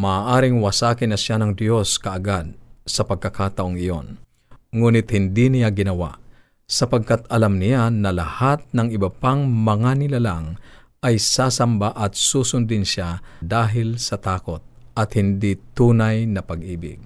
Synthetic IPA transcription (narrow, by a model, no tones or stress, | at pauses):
maːʔaːɾɪŋwɐsaːkɪnɐʃjanɐŋd̪jo̞skɐʔːɡad̪̚sɐpɐɡ̚kɐkaːt̪ɐʔoŋɪjon | ŋuːnɪt̪̚hɪnd̪inɪjaɡɪnɐwa̰ʔ | sɐpɐɡ̚kat̪ɐlamnɪjanɐlɐhat̪̚nɐŋɪbɐpaŋmɐŋanɪlalaŋ | ʔɐjsaːsɐmbaʔɐt̪̚suːsʊnd̪ɪnʃad̪aːɦɪlsɐt̪aːkot̪̚ʔɐt̪hɪnd̪it̪uːnajnɐpɐɡʔiːbɪ̰ɡ̚